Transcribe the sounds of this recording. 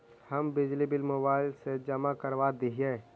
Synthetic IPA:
həmbɪd͡ʒlibɪlmoːbaːɪlsed͡ʒəmakəɾʋad̪iɦeː

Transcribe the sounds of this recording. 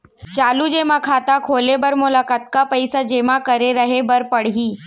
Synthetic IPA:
t͡ʃaːlud͡ʒeːmãkʰaːt̪akʰoːlebɐɾmʊlaːkaːt̪̚kapɐɪsad͡ʒeːmãkɐɾeɾəɦebɐɾpɐɽɦiː

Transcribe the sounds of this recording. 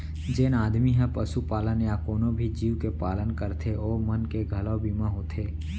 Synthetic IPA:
d͡ʒeːnaːd̪miɦɛpəsupaːlənjakoːnõbʱid͡ʒiːwkepaːlənkəɾt̪ʰeɔːɾmənkeɡʱɐlɔbiːmãɦoːt̪ʰeː

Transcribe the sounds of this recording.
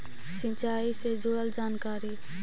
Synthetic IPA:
sĩt͡ʃaːised͡ʒoːəld͡ʒaːnkaːɾi

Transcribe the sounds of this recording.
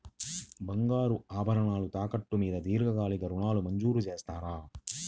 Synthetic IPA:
bɐŋɡaːɾuaːbʱɐɾɐɳaːlut̪aːkɐʈːumiːd̪ɐd̪iːɾɡɐɡaːliɡɐɾuɳaːlumɐɲd͡ʒuːɾut͡ʃe̞ːst̪aːɾaː

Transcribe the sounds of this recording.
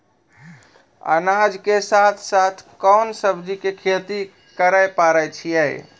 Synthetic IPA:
ə̰nad͡ʒkesat̪ʰsat̪ʰkɔnsəbd͡ʒikekʰet̪i | kəɾəjpaɾəjt͡ʃʰijɛj

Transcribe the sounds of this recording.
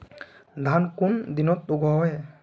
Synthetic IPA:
d̪ʱankund̪inɔt̪̚uɡʱɔɦɔj

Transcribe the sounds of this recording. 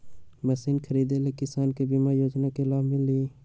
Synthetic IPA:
mɛsiːnkʰəɾiːd̪elekɪsaːnkebimajoːd͡ʒnakelaːmɪlli

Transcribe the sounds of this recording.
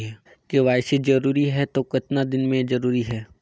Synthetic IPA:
ɦɛː | keʋaːɪsed͡ʒɐɾuːɾiɦɛt̪okɪt̪nad̪ɪnmẽd͡ʒɐɾuːɾiɦɛː

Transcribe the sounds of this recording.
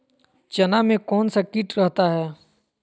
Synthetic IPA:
t͡ʃɐnamẽkɔːnsakiʈɾɐɦt̪aɦɛː

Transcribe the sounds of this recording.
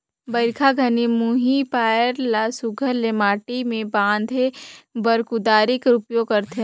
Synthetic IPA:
bɐɾkʰaɡʱɐnimuɦipaːjəɾlasʊɡʱəɾlemaːʈimẽbãːnd̪ʱebɐɾkʊd̪aːɾɪkɾʊpjõkɐɾt̪ʰe

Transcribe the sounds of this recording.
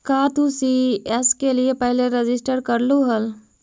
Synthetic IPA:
kat̪usiəskelijepəɦilẽɾed͡ʑisʈəɾkəɾluɦəl

